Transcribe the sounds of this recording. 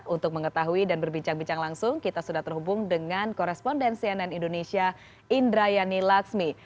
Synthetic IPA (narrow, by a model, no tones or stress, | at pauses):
t̪unt̪ʊk̚məŋət̪aɦuidanbərbiɲt͡ʃaŋbiɲt͡ʃaŋlaŋsʊŋkit̪asudaht̪ərɦubʊŋdəŋankɔɾɛspɔndɛnsiananindonesia | indɾajanilaksmi